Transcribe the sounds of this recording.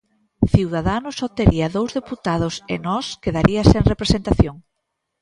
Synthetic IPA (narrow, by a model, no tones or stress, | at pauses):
θiwðaðanʊsot̪eɾiɐðowzðeput̪að̞ʊsḛnɔskeðaɾʔiɐseŋrepɾesent̪aθjoŋ